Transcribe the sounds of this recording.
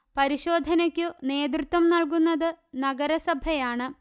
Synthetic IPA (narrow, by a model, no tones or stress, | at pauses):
pɐɾiɕo̞ːd̪ʱɐnɐkʲːune̞ːd̪rɨt̪wɐmnɐɭk̬unːɐðɨnɐɡɐɾɐsɐbʱɐjaːɳɨ